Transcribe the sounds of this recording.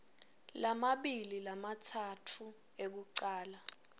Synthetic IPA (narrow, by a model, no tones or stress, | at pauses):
lamaɓililamatʰatʰu | ek̬uǃaːla